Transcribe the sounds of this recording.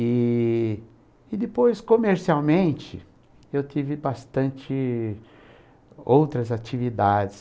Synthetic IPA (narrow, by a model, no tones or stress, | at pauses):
ɪ | ɪd̪ɪpojskomeɾsiawmẽnt͡ʃɪ̰ | ewt̪ivɪbast̪ɐ̃nt͡ʃɪ | owt̪ɾɐzat͡ʃivid̪ad͡ʒɪs